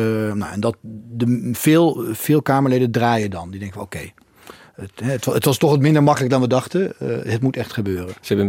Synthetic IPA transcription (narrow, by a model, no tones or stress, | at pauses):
na̰wɛndɑt̚dəvɪːlˠv̥ɪːlˠkaːməɹlejdəndraːjədɑndidɛŋkəʋokej | tɛətətʋɑstɔχʋɑtmɪndəɹmɑkələk̚dɑnʋədɑχtəɦətmutɛχtχəbøːrənsəɛbə